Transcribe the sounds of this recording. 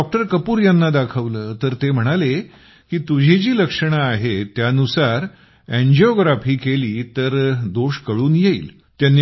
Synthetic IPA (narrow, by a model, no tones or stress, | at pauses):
ɔk̚ʈəɾkəpuːɾjanːad̪akʰəʋləːt̪əɾt̪em̤əɽ̃ale | kiːt̪ud͡ʑʱid͡ʑiːləkʂəɽ̃aːɦet̪jaənusaɾ | æ̃ɲd͡ʑɔɡɾafiːkeliːt̪əɾd̪oʂkəɭuːnjeḭːl | t̪janːi